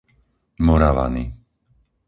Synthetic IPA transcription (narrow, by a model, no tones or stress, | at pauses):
mɔɾaʋa̰nḭ